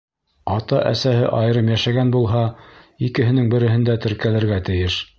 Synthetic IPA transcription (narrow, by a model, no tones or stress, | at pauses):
ɑt̪ɑʔæ̰sæhɘ̰ʔɑjɤ̆ɾɤmjæʃæɡænbulˠɦɑikɘ̆ɦɘ̆nɘŋbɘ̆ɾɘ̆ɦɘ̆nd̪æt̪ɘ̆ɾkælɘ̆ɾɡæt̪ɘ̆jɘʃ